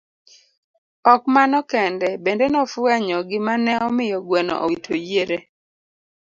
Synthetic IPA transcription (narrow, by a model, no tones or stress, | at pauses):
ɔkmanɔkɛndɛbendenɔfwɛɲɔɡɪmanɛɔmɪjɔɡwɛnɔ̰ʔo̰itʰojeɾe